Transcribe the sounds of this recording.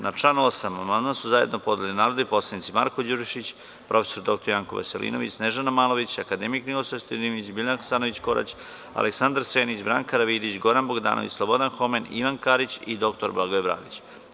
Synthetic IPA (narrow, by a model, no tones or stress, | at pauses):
nat͡ʃanuosamamand̪mansuzaje̞d̪nopo̞d̪elinaːɾod̪ipo̞slˠanit̪sima̰ɾkod͡ʑuʒiʃit͡ɕ | pɾʔo̞fe̥soɾd̪o̞kt̪oɾjaŋko̰ʋa̰selʔḭno̞ʋḭt͡ɕneʒanamaːlo̞ʋit͡ɕakad̪emiknilosast̪od̪imit͡ɕbilʲanxsaːnoʋit͡ɕko̞ɾa̰t͡ɕ | a̰leksand̪aɾseːnit͡ɕbɾa̰ːŋkaɾaʋid̪it͡ɕɡo̞ɾanboɡd̪a̰ːnʔoʋḭt͡ɕʲslˠobo̞d̪anxo̞menḭʋankaɾit͡ɕid̪o̞kt̪oɾbaɡoebɾa̰ːd̪it͡ɕ